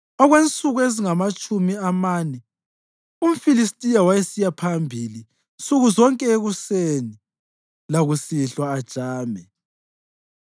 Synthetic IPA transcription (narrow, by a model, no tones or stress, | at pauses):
ɔɣwent͡sʼuɣueziŋamat͡ʃʼumiamaːnɛ | um̩filistʼijawajesijapʰambʱili | nt͡sʼuɣuzɔŋkʼɛeɣuseni | laɣusiɬwaːd̥ʒ̥ʱaːmɛ